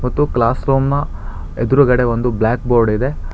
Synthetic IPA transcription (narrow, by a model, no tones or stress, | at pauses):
mɐt̪ːuklaːsɾoːmnɐ | ed̪uɾuɡɐɽe̞ʋond̪ublaːk̚boːɾɖid̪e